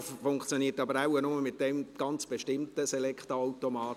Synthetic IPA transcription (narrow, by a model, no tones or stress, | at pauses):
ffʊŋkt͡sjoniːətɑbəɾaʊənʊməmɪt̚d̥ɛmɡ̥ɑnt͡sb̥eʃtɪmt̪əselɛkχt̪oaʊtomɑːt